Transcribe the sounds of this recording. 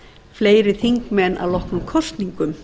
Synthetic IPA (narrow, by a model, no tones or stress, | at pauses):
fleːjɾɪθiŋkmɛnːʔa̰wlɔhknʏmkʰɔrst̪niŋkʏm